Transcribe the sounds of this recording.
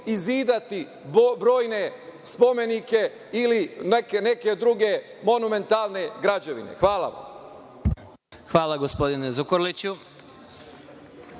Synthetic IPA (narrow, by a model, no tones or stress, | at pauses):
iziːd̪at̪i | bɾo̞ːjne̞spo̞me̞nike̞ | ilinekene̞ked̪ɾuɡe̞ | mo̞nume̞nt̪alˠne̞ɡɾad͡ʑeʋḭnḛxʋaːlˠa̰ʋa̰m | xʋaːlaɡospod̪inezukoɾlit͡ɕu